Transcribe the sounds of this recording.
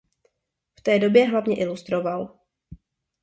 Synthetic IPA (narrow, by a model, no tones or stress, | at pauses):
ft̪ɛːdo̞bjɛɦlavɲɛʔɪlust̪ɾo̞val